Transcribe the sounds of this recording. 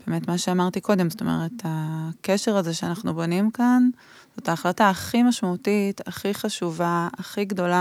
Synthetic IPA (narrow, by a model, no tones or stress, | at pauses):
b̥e̞me̞tmaʃeamaʁtiko̞de̞mzoto̞mḛʁe̞takeʃeʁazeʃeanaχnubo̞nimkan | z̥o̞taːχlataːχimaʃmautitaχiχaʃuvaːχiɡdo̞la